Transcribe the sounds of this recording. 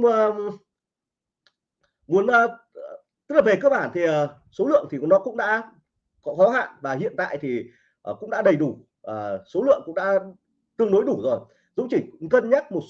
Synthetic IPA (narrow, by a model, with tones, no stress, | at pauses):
ŋ͡m | mu˨˦ən˧ | t̪̚laː˨˩ve˨˩kəː˧k̚ɓaː˧˩nt̪ʰi˨˩əː˨˩ | so˨˦lɨ̰˧˨əŋt̪ʰi˨˩˦nɔ˨˦kʊ̰˧˥ŋ͡mɗa̰ː˧˥ | kɔ˨˦xɔ˨˦ɦa̰ː˧˨vaː˨˩ɦḭ˧˨ənt̪a̰ː˧˨jt̪ʰi˨˩ | ʔə˨˩kʊ̰˧˥ŋ͡mɗa̰ː˧˥ɗə˨˩jɗu˧˩ | əː˨˩so˨˦lɨ̰˧˨əŋkʊ̰˧˥ŋ͡mɗa̰ː˧˥ | t̪ɨ˧əŋɗo˨˦jɗu˧˩zo˨˩j | zʊ̰˧˥ŋ͡mt͡ɕi˧˩kə˧nɲaː˦˥t̚mo˨˩t̚